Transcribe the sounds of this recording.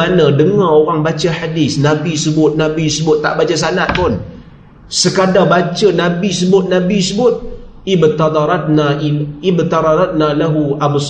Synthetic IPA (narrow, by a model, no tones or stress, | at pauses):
anadəŋaoɾaŋbat͡ʃaħadɪsnãbisəbʊt̪̚nabisəbʊt̪ːa̰ʔbat͡ʃasanat̪̚pʊn | səkadabat͡ʃənabisəbʊt̪̚nabisəbʊt̪̚ | ɪbt̪ad̪ɾat̪̚naɪbt̪ɑɾˤɑɾˤat̪̚nalaɦuʔabs